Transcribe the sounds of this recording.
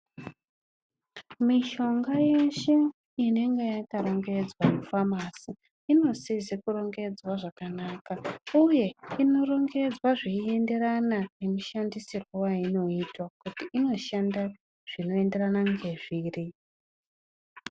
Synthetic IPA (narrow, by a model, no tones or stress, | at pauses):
miʃo̞ŋɡajeʃe̞ | ine̞ŋɡejakaɾo̞ŋɡe̞d͡zwamufamasi | ino̞sizekuɾo̞ŋɡe̞d͡zwaʐakanakauje̞ino̞ro̞ŋɡe̞d͡zwaʐiie̞nde̞ɾananemuʃandisirwowaino̞itwakutiʔino̞ʃanda | ʐ̥ino̞e̞nde̞ranaŋɡe̞ʐiːri